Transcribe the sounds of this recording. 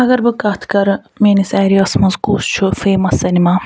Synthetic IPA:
ɐɡɐɾbɨkɐt̪ʰkɐɾ | meːnisɛːɾiɐsmɐzkuːst͡ʃʰufeːmɐsɐnimaː

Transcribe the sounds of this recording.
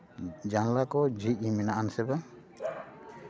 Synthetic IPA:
d͡ʒanlakɔd͡ʒic̚imɛnaʔansɛba

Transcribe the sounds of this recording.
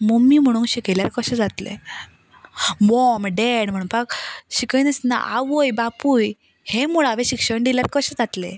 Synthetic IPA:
momiːm̤əɽ̃ũnɕikeljaɾkəɕəd͡zat̪lḛ | mɔmɖeɽm̤əɽ̃uːnpakɕikənəsna̰ʔaʋojbapuj | hemuɭaʋeɕikʂəɳɖ̪iljaɾkəɕəd͡zat̪lḛ

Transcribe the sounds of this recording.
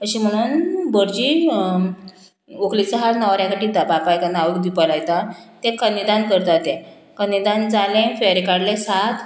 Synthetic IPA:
əɕim̤əɽ̃uːnbəɽd͡ʑiː | oklit͡səɦalnaʋɾjakaʈit̪apapajkanaʋəkd̪ipəlajt̪at̪ẽkənid̪ankəɾt̪at̪ɛ̃ | kənid̪and͡zalẽfeɾikaɽlesat̪ʰ

